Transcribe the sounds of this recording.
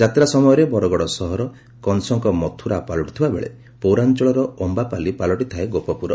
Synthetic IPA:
d͡ʒat̪ɾasɔmɔjɔɾebɔɾɔɡɔɽɔsɔɦɔɾɔ | kɔnsɔŋkɔmɔt̪ʰuɾapalɔʈi̥t̪ʰibabḛɭḛ | powɾant͡ʃɔɭɔɾɔɔmbapalipalɔʈit̪ʰaeɡopɔpuɾɔ

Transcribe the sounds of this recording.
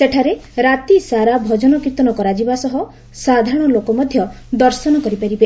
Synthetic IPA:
seʈʰaɾeɾat̪isaɾabʱɔd͡ʒɔnɔkit̪ɔnɔkɔɾad͡ʒibasɔɦɔ | sad̪ʱaɾɔɽ̃ɔlokɔmɔd̪ʱjɔ | d̪ɔɾsɔnɔkɔɾipaɾibe

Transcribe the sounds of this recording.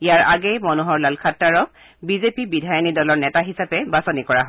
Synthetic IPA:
ijaɹaɡɛjmɔnuɦɔɹlalkʰatːaɹɔk̚ | bizepibidʱajɔnidɔlɔɹnɛtaɦisapɛbasɔnikɔɹaɦɔ

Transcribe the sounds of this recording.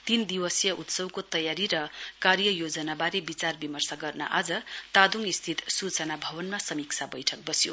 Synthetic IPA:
t̪ind̪iwʌsjʌʔut̪sʌwkot̪ʌjaɾiɾʌkaɾjʌjod͡zʌnabaɾebit͡sarbimʌrsaɡʌrnʌ̰ʔad͡zʌt̪ad̪uŋist̪ʰit̪sut͡sʌnabʱʌbʌnmasʌmikt͡sʰabʌjʈʰʌk̚bʌsjo

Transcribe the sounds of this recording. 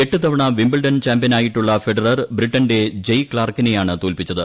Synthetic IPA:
e̞ʈːɨt̪ɐʋɐɳɐʋimbɐlɖɐnt͡ɕaːmbijɐnaːjiʈːuɭːɐfeɖɐrɐrbɾiʈːɐnde̞d͡ʑejkɭaːrkine̞jaːɳɨt̪oːlpit͡ɕːɐðɨ

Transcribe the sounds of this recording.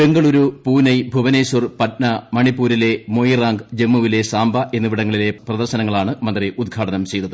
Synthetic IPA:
pe̞ŋɡɐɭuɾupuːnɐjbʱuʋɐnejsɐrpɐt̚nɐmɐɳipːuːɾile̞mojraːŋɡd͡ʑe̞mːuʋile̞saːmbʱɐʔe̞nːuʋiɽɐŋːɐɭile̞prɐðɐrɕɐnɐŋːɐɭaːɳɨmɐnd̪riʔud̪̚ɡʱaːʈɐnɐmt͡ɕe̞jid̪ːɐðɨ

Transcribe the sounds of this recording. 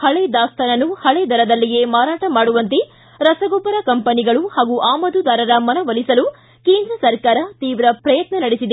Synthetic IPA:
hɐɭed̪aːst̪ʰɐnɐnːuhɐɭed̪ʱɐɾɐd̪ɐlːije̞maːɾaːʈɐmaːɽuʋɐnt̪e | ɾɐsɐɡɔbɐɾɐkɐmpɐniɡɐɭuhaːɡuʔaːmɐd̪ud̪aːɾɐɾɐmɐnɐʋɐlisɐlu | keːnd̪ɾɐsɐɾkaːɾɐt̪iːʋɾɐpɾɐjɐt̪nɐnɐɽesid̪e

